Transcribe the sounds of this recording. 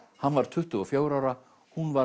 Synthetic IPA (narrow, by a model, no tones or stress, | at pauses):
hanːvaɾ̥t̪ʰʏht̪ʏɔfjoːwɾawɾa | hunva